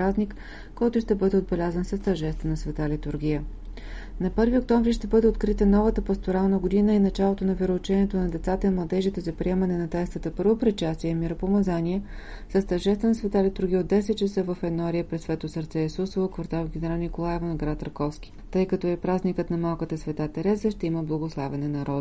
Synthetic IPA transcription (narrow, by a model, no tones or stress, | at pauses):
ɾaznʲik | kːɔjt̪ʊʃt̪ɛbɤd̪ɛod̪̚bɛlʲazənsɐst̪ɐʒɛst̪ənɐsvɛt̪alit̪uɾɡʲijə | nɐpɤɾviok̚t̪ɔɱvɾiʃt̪ɛbɤd̪ɛot̪̚kɾit̪ənɔvət̪əpɐst̪oɾalˠnəɡod̪inəinɐt͡ʃalˠot̪onɐviɾoːt͡ʃɛnʲiɛt̪onɐd̪ɛt̪sat̪əimlˠɐd̪ɛʒit̪ɛzɐpɾiɛmənɛnɐt̪ɛst̪ət̪əpɤɾvopɾɛt̪̚t͡ʃast̪iɛmiɾopomɐzanʲiɛsəst̪ɐɾʒɛst̪vənɐsvɛt̪alit̪uɾɡʲiəod̪ɛsɛt̪̚t͡ʃəsəvɐfɛnoaɾiəpɾɛsvɛt̪osəɾt̪sɛɛsɔsovokvɐɾt̪alˠɡʲɛnɛɾalˠnikolˠaɛvonɡɾat̪ːəɾkɔfsk̟ʲi̥t̪ɤjkɐt̪ɔɛpɾaznikət̪nɐmalˠkət̪əsvɛt̪at̪ɛɾɛzəʃt̪ɛiməblˠɐɡoslˠavɛnɛnɐɾɔd̪